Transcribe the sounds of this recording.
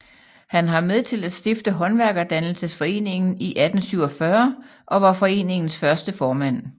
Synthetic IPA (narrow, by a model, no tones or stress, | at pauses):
hænɦɑ̈með̞ˠt͡sʰe̝læd̥sd̥e̝fd̥əɦɒ̽nʋæɐɡ̥ɐd̥ænl̩səsfɒ̽e̝̰ːne̝ŋn̩iʔæd̥n̩syʊ̰ɒfɶɐ | ʔɒ̽ʋɑ̈fɒ̽e̝̰ːne̝ŋn̩sfɶɐsd̥əfɒːmæn̰